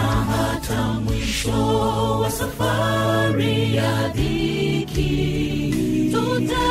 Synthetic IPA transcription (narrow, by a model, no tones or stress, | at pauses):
aɦatʰamwiʃɔwasafaɾijaðiki | uta